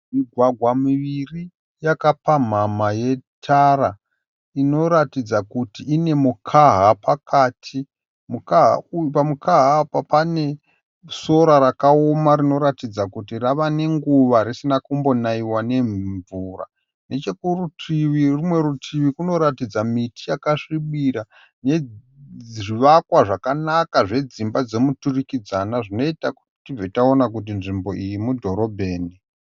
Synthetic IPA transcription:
miɡʱwaɡʱwamiʋiri | jakapam̤amaje̞tʰara | ino̞ɾatid͡zakutiːne̞mukʰaɦapakaːtʰi | mukaɦa̰upamukaɦapapane̞ | so̞ɾaɾakao̞marino̞ɾatid͡zakutiraʋane̞ŋɡuʋaɾisinakumbonaiwane̞ɱɱvura̰ | ne̞t͡ʃekurutʰiʋirimwe̞ɾutʰiʋikuno̞ɾatid͡zamitijakaʂiɓiɾa | ne̞ | ʐiʋakwaʐakanakaʐe̞d͡zimbad͡ze̞muturikid͡zanaʐino̞itaku̥ti̥tib͡vetaonak̬ut̬inʐimbo̞ʔijimudʱo̞ɾo̞bʱe̞ːni

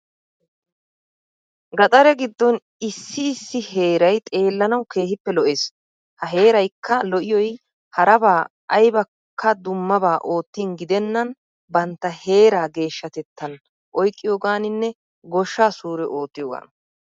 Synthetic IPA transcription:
ɡɐt̪ʼɐɾɛɡɪd̪ːɔn | ɪsːɪːsːɪhe̞ːɾɐjt̪ʼe̞ːlːɐnɐwkʰe̞ːhɪpːɛlɔʔeːs | hɐɦe̞ːɾɐjkʰːɐlɔʔɪjɔj | hɐɾɐbaː | jbɐ | kʰːɐd̪ʊmːɐbaːʔo̞ːt̪ːiːnɡɪd̪ɛnːɐn | bɐnt̪ːɐhe̞ːɾaːɡe̞ːʃːɐt̪ɛt̪ːɐn | ʔɔjkʼːɪjoːɡaːnɪnːɛ | ɡɔʃːaːsuːɾɛʔo̞ːt̪ːɪjoːɡa̰ːn

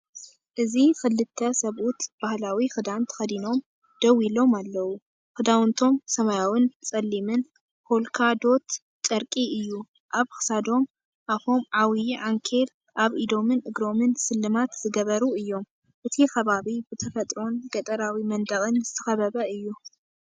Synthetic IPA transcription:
ʔɨzixɨlːɨt̪ʰːɐsɐβʔut̪b̥ahlawixɨd̪ant̪ʰɐ̥xɐd̪ino̞m | d̪̥ɐwilo̞malːɐwu | xɨd̪awɨnt̪ʰo̞msɐmajawɨnt͡sʼɐlːimɨn | holkʰad̪o̞t̪ | t͡ʃʼɐɾkʼiɨjːu | ʔaβxɨ̥sad̪o̞m | ʔafo̞mʕawijʕaŋkʰel | ʔaβid̪o̞mɨnʔɨɡɾo̞mɨnsɨlːɨmat̪z̥ɨɡɐβɐɾuɨjːo̞m | ʔɨt̪ʰixɐβaβibɨt̪ʰɐfɐt̪ʼɾo̞nɡɐt̪ʼɐɾawimɐnd̪ɐxʼɨnzɨt̪ʰɨxɐβɐβɐɨjːu

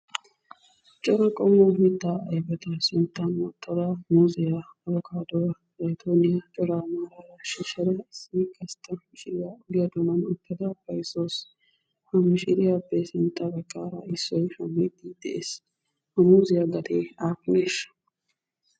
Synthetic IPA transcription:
t͡ʃʼɔɾɐkʼɔmːɔmɪt̪ːaʔɐjbɛt̪ɐsɪnt̪ːɐnwɔt̪ʰʼːɔɾamuːzɪjaɐβɔkʰaːd̪ɔwɐ | lɐjt̪ʰoːnɪjɐt͡ʃʼɔɾamaːɾɐɾɐʃɪʃɐd̪ɐɪsːikʼɐst̪ʰːɐmɪʃɪɾɪjaʊɡɪjɐd̪ɔnɐnʊt̪ːɐd̪ɐpːɐjsos | hɐmːɪʃɪɾɪjabːesɪnt̪ʼːɐbɐkʼːaːɾɐ̰ɪsːɔjhɐmːɪd̪id̪̥ɛʔeːs | hɐmuːzɪjaɡɐd̪eːaːkːʊneːʃɐ̥

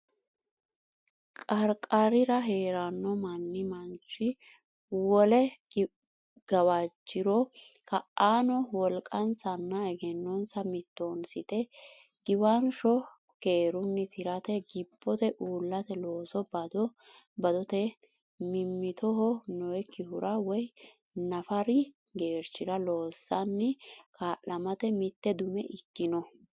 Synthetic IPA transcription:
kʼɐɾkʼɐɾɪɾɐɦe̞ːɾɐnːɔmɐnːɪmɐnt͡ʃːɪ | wɔlɛ | ɡ̥ɐwad͡ʒːɪɾɔkɐʔaːnɔwɔlkʼɐnsɐnːɐɛɡɛnːɔnsɐmɪt̪ːoːnsɪt̪ɛ | ɡ̥ɪwanʃɔ | keːɾʊnːɪt̪ʰɪɾɐt̪ɛɡɪbːɔt̪ɛʔuːlːɐt̪ɛlo̞ːsɔbɐd̪ɔ | bɐd̪ɔt̪ɛ | mɪmːɪt̪ɔɦɔnɔwɛkːɪhʊɾʔɐwɔj | nɐfɐɾɪ | ɡeːɾt͡ʃːɪɾɐlo̞ːsːɐnːɛkaːʔɐmɐt̪ɛmɪt̪ːɛd̪ʊmɛʔɪkːɪnɔ

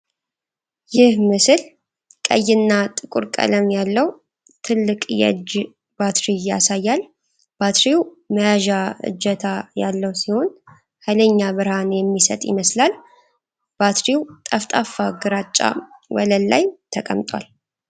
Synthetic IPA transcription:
jɪhmɨsɨl | kʼə̰jːɪnːat̪ʼɨkʼuɾkʼə̰ləmjalːəw | t̪ʰɨlːɨkʼjɛ̰d͡ʒ | b̥at̪ɾijasajːal | b̥at̪ɾiw | məjaʒaɨ̰d͡ʒːɛt̪ʰajalːəwsiho̞n | hələɲːaβɨɾhanjɛmːisət̪ʼjɪ̰məslal | b̥at̪ɾiwt̪ʼəft̪ʼafːaɡɨɾat͡ʃʼːa̰wɔləlːa̰jt̪ʰəkʼə̰mt̪ʼwa̰l

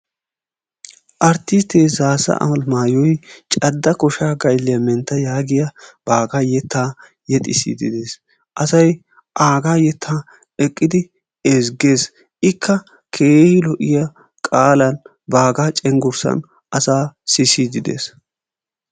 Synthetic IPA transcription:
ʔɐɾt̪ːɪst̪ːeːzaːsɐ̰ʔɐ̰mɐlmaːjɔjt͡ʃʼɐd̪ːɐkɔʃaːɡɐjlːɪjɐmɛnt̪ːɐjaːɡɪjɐb̥aːɡaːjɛt̪ʰːaː | jɛt̪ʼɪsḭd̪ɪ̰d̪e̞ːs | ʔɐsɐj | ʔaːɡaːjɛt̪ʰːaː | ɛkʼːɪd̪ɪ | ɛzɡe̞ːs | ʔɪkʰːɐ | kʰe̞ːhɪlɔʔɪjɐ | kʼaːlɐn | baːɡaːt͡ʃʼɛŋɡʊɾsɐ̰n | ʔɐsaːsɪsid̪ɪd̪ḛːs

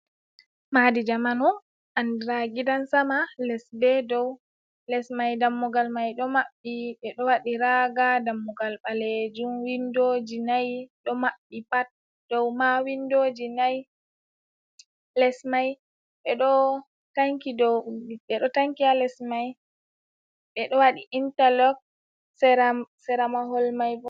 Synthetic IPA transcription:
madid͡ʒamanɔ | ʔandɾaɡidansamalɛsbɛdɔw | lɛsmajdamːɔɡalmajɗɔmaɓːiɓɛɗɔwaɗiɾaɡadamːɔɡalɓaled͡ʒumwindod͡ʒinajɗɔmaɓːipat̚ | d̥ɔwmawindod͡ʒinaj | lɛsmaj | ɓɛɗɔ | taŋkidɔwiɓɛɗɔtaŋkialɛsmaj | ɓɛɗɔwaɗiʔintalɔk̚ | sɛsɛɾamaɦɔlmajbɔ

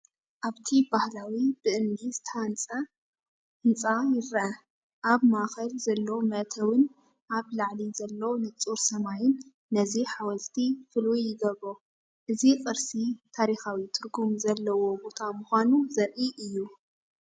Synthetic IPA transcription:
ʔaβt̪ʰibahlawib̥ɨʔɨnd̪isɨt̪ʰant͡sʼa | ɨnt͡sʼajɪɾa | ʔaβmaxɐlzɐlːomɐʔt̪ʰɐwɨn | ʔaβlaʕlizɐlːonɨt͡sʼuɾsɐmajɪnː | ɐziħawɐlt̪ʰifɨlujːɪɡɐβo | ʔɨzikʼɨɾsit̪ʰaɾixawit̪ʰɨɾɡumzɐlːɐwo̞bo̞t̪ʰamʊxʷanuzɐɾʔiʔɨjːu

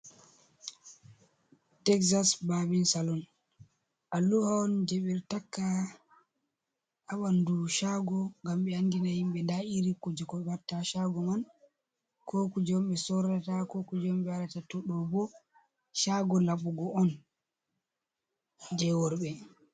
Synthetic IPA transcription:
tɛksasbabinsalɔn | ʔalːuhaɔnd͡ʒɛɓɛɾtakːa | awanduʃaɡɔŋɡamɓɛandinahimɓɛndaiɾikːɔd͡ʒɛkɔɓatːaʃaɡɔman | kʰɔkud͡ʒɔmɓɛsɔɾatakɔkud͡ʒmɓɛaɾatatɔɗɔbɔ | ʃaɡɔlaɓuɡɔɔn | d͡ʒɛwɔɾɓɛ

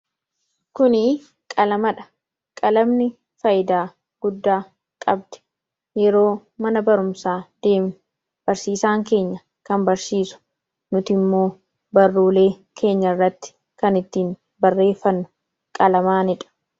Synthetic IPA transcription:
kʊnɪ | kʼɐlɐmɐᶑɐ̥ | kʼɐlɐmnɪ | fɐjɪd̪aː | ɡ̥ʊd̪ːaː | kʼɐbd̪̥ɛ̥ | jɛɾo̞ːmɐnɐbɐɾʊmsaːd̪̥e̞ːmnʊ | b̥ɐɾsiːsaːŋke̞ːɲːɐ | kɐmbɐɾsiːsʊ̥ | nʊt̪ɪmːo̞ː | bɐrːuːle̞ː | kʰe̞ːɲːɐrːɐt̪ːɪ̥ | kɐnɪt̪ːiːn | bɐrːe̞ːfːɐnːʊ̥ | kʼɐlɐmaːnɪᶑɐ̥

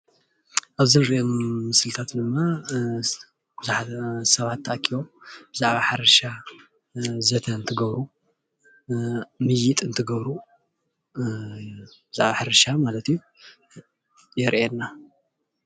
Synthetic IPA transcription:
ʔaβzɨnɨɾiʔemːɨsɨlt̪ʰat̪d̪ɨmːa | b̥ɨzħasɐβat̪ʰːaʔkʰiβomb̥ɨzaʕβaħaɾɐʃa | zɐt̪ʰɐɨnt̪ʰɨɡɐβɾu | mɨjɪt̪ʼɨnt̪ʰɨɡɐβɾu | bɨzaʕβaħaɾɐʃamalɐt̪ju | jɛɾʔɛnːa

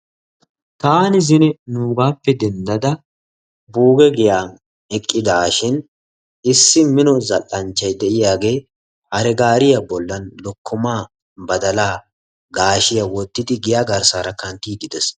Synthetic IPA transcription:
t̪aːnɪzɪnɛnuːɡaːpːɛd̪ɛnd̪ɐd̪ɐ | buːɡɛɡɪjaːn | ɛkʼːɪd̪aːʃɪn | ɪsːɪmɪnɔzɐlːɐnt͡ʃːɐjd̪ɛʔɪjaːɡe̞ː | hɐɾɛɡaːɾɪjɐbɔlːɐnlɔkːʊmaː | bɐd̪ɐlaː | ɡaːʃɪjɐwɔt̪ːɪd̪ɪɡɪjaːɡɐɾsaːɾɐkɐnt̪iːd̪ɪd̪ɛs

